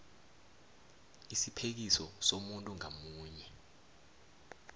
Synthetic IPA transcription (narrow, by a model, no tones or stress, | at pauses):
isipʰek̬isɔsomuntʼuŋamuːɲɛ